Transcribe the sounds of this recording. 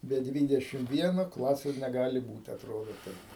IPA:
bʲɛ ˈdʲʋʲiːdʲɛʃʲɪm ˈʋʲiɛnoː ˈklˠɑːsʲeːs nʲɛˈɡɑːlʲɪ ˈbuːt ɐtˈroːdoː ˈtɐɪp

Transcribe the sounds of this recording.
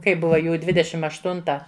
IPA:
kɐɪ ˈbʊʋɐ ˈjuː ˈdʲʋʲɪdʲɛʃʲɪm ɐʃˈtʊntɐ

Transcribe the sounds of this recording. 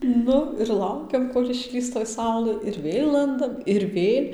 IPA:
ˈnʊ ɪr ˈlˠɐʊkʲɛm koːlʲ ɪʃʲˈlʲiːs toːj ˈsɐʊlˠɘ ɪr ˈʋʲeːlˠ ˈlˠɐndɐm ɪr ˈʋʲeːlʲ

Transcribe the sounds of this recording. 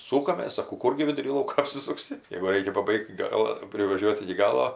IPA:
ˈsuːkɐmʲeːs sɐˈkɐʊ ˈkʊrʲɡʲɪ ʋʲɪdʊˈrʲiː ˈlˠɐʊkoː ɐpʲsʲɪsʊkˈsʲɪ jɛɪɡʊ ˈrɐɪkʲɛ pɐˈbɐɪkt ˈɡɑːlˠɐ pʲrʲɪʋɐˈʒʲuɔt ɪkʲɪ ˈɡɑːlˠoː

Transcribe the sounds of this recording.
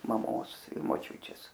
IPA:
mɐˈmoːs ɪ moːˈt͡ʃʲʊt͡ʃʲeːs

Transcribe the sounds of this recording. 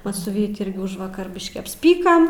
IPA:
ˈmɐs sʊ ˈʋʲiːtʲɪ ˈɪrʲɡʲɪ ˈʊʒʋɐkɐr ˈbʲɪʃʲkʲiː ɐpʲsʲˈpʲiːkɐm

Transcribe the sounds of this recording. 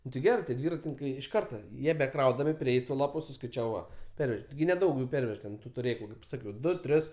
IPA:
nʊ tʲɪ ˈɡʲæːrɜ tʲiɛ ˈdʲʋʲiːrɐtʲɪnʲɪŋkɐɪ ɪʃ ˈkɐrtɐ ˈjiɛ bʲɛˈkrɐʊdɐmʲɪ ˈpʲrʲeːjɛɪ sʊ ˈlˠɑːpʊ sʊskɐɪˈt͡ʃʲæːʋɐɪ ˈʋɐ ˈpʲɛrʲʋʲɛʒʲɛ tʲɪˈɡʲɪ nʲɛˈdɐʊk jʊ ˈpʲɛrʲʋʲɛʃ tʲɛn tʊ tʊˈrʲeːklˠʊ kɐɪp ˈsɑːkʲɛʊ ˈdʊ ˈtʲrʲɪs

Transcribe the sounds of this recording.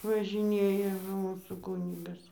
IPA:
ʋɐʒʲɪˈnʲeːjɛ nʊ ˈmuːsuː ˈkuːnʲɪɡɐs

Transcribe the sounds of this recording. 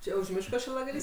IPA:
ˈt͡ʃʲɛ ʊʃ ˈmʲɪʃkoː ʃʲɪlˠɐɡɐˈlʲiːs

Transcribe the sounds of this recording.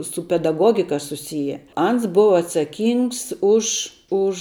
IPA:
sʊ pʲɛdɐˈɡoːɡʲɪkɐ sʊˈsʲɪjɛ ˈɐns ˈbʊʋɐ ɐtsɐˈkʲiːŋks ʊʃ ˈʊʃ

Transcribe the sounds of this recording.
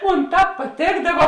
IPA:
ˈmoːn ˈtɑːp pɐˈtʲeːɡdɐʋɐ

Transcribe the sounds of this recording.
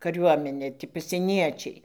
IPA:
kɐˈrʲuɔmʲɛnʲeː tʲɪ pɐsʲiɛˈnʲiɛt͡ʃʲɛɪ

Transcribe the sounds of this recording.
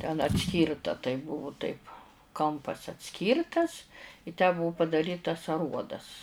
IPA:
tʲɛn ɐtʲˈsʲkʲiːrtɐ tɐɪ ˈbʊʋʊ tɐɪp ˈkɐmpɐs ɐtʲˈsʲkʲiːrtɐs ɪ tʲæː ˈbʊʊ pɐdɐˈrʲiːtɐs ɐˈruɔdɐs

